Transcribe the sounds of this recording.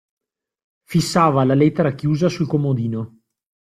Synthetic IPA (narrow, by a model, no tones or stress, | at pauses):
fisːaːvalalɛt̪ːeɾakjuːzasulkomod̪iːno